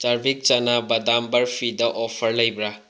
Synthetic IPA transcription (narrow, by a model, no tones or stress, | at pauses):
t͡ʃaɾbik̚t͡ʃanabɐdambɐɾpʰidɐʔɔpʰɐɾlɐjbɾa